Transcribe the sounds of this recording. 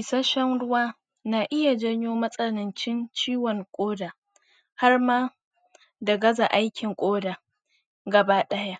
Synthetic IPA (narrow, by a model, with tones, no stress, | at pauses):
ɪ˨sa˦ʃɐ˦ŋɽʊ˦waː˦ | na˨ʔɪ˦ja˨d͡ʒɐ˦ɲjoː˦mɐ˦sʼɐ˦nɪ˨nt͡ʃɪ˦nt͡ʃiː˦wɔ˨ŋkʷʼoː˦daː˨ | ha˦rmaː˦ | dɐ˨ɡɐ˦za˨ʔa˦jkʲɪ˨ŋkʷʼoː˦daː˨ | ɡɐ˨baː˦ɗɐ˦ja˦ʔ